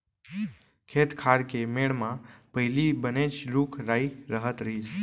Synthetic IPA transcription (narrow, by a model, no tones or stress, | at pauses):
kʰet̪kʰaɾkemeɭmãpəɦlibənet͡ʃɾukʰɾaiɾəɦət̪ɾəɦi